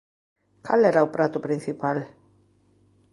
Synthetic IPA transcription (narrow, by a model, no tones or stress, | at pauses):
kʰalɛɾaopɾat̪ʊpɾin̟θipal